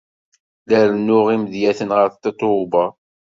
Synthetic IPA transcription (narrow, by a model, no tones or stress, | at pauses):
ləɾnːʊʁimðjæθənʁəɾθt̪ːet̪ˤːobɑ